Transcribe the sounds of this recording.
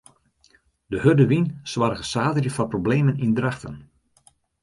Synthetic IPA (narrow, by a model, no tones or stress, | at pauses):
dəhødəʋinswʋarɣəsaːdərjəfɑprobleːmənindraxtə̰n